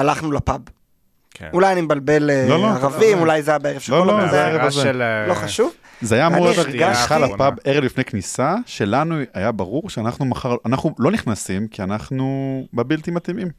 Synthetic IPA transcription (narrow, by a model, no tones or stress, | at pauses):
alaχnulapab | kulajɐnimebalbe̞leloloaʁavimulajzajabeeʁev̥ʃelolozeeʁevazeloχaʃuv | zeajaːmuʁoaʁɡaʃχalapabeʁevlifnejknisaʃe̞lanuajabaʁuʁʃeanaχnumaχaʁanaχnulo̞niχnasimkianaχnubebilt̪imat̪imim